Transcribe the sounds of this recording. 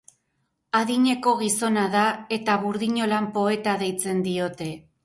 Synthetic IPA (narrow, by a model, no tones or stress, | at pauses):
aðiɲe̞ko̞ɣ̞iso̞nað̞ae̞t̪aβuɾðiɲo̞lampo̞e̞t̪aðe̞jt͡se̞nd̪io̞t̪e̞